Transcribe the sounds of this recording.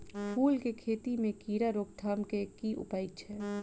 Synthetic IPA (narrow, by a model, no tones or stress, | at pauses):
pʰuːlkekʰeːt̪imẽkiːɾaɾoːkd̪ʱaːmkekiʔʊ̰paːit͡ʃʰɛː